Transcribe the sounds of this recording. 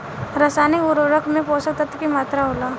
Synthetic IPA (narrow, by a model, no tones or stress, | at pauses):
ɾəsaːniʊɾoɾəkʰmẽpoːsət̪ət̪kimaːt̪ɾaɦoːlaː